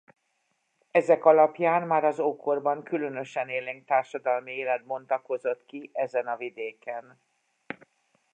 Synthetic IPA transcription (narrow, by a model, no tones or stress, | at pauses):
ɛzɛkɒlɒpjaːnmaːɾɒzoːkʰorbɒŋkylø̞nø̞ʃɛneːleːŋk̚t̪aːrʃɒd̪ɒlmieːlɛd̪̚mo̞nt̪ɒko̞zo̞t̪kiʔɛzɛnɒvid̪eːkɛn